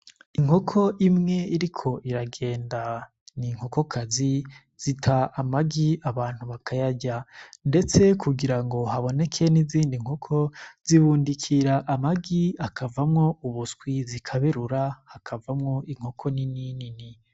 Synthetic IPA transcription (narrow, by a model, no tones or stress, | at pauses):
iŋhokʰo̞ʔimŋe̞iɾikʰo̞ʔiɾaɡe̞ːnda | niŋ̥hoko̞kʰazi | z̥itʰaʔamaɡiaβaːn̥uβakʰajaɟande̞t͡se̞kʰuɡiɾaŋɡo̞ɦaβo̞ne̞kʰe̞niziːndiŋ̥hokʰo̞z̥iβuːndikʰiɾaʔamaɡiakavamŋo̞uβuskwizikʰaβe̞ɾuɾahakʰavamŋo̞ʔiŋ̥ho̞kʰo̞nininini